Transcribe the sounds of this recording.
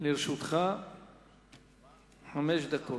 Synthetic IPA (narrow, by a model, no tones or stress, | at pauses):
liɾʃut̪χa | ħameʃd̪akʰo